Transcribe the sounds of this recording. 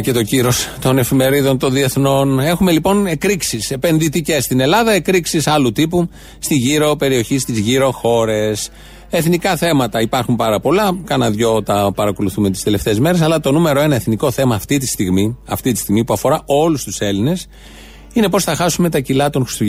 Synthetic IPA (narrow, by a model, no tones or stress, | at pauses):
ce̞t̪o̞ciɾo̞st̪o̞ne̞fime̞ɾiðo̞nt̪o̞nðie̞θno̞ne̞xume̞lipo̞ne̞kɾiksise̞pe̞nðit̪ice̞sst̪ine̞lɐðɐe̞kɾiksisɐlut̪ipu | st̪iʝiɾo̞pe̞ɾio̞çist̪izʝiɾo̞xo̞ɾe̞s | e̞θnikɐθe̞mɐt̪ɐipɐɾxumpɐɾɐpo̞lɐkɐnɐðʝo̞t̪ɐpɐɾɐko̞luθumet̪i̥st̪ele̞ft̪e̞ːzme̞ɾe̞s̬ɐlɐt̪o̞nume̞ɾo̞e̞nɐe̞θniko̞θe̞mɐːft̪it̪ist̪iɣmiɐft̪it̪i̥st̪iɣmipuɐfo̞ɾɐʔo̞lust̪use̞line̞s | ine̞po̞sθɐxɐsume̞t̪ɐcilɐt̪o̞ŋxɾi̥st̪uʝ